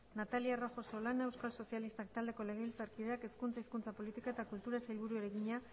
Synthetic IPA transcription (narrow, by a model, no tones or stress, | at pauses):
nat̪aliaroxo̞so̞lane̞wskalso̞sialist̪ak̚t̪ald̪e̞ko̞le̞ɣeβilt͡saɾkiðeake̞skunt͡saiskunt͡sapo̞lit̪ikae̞t̪akult̪uɾasajlβuɾuoɾeɣiɲa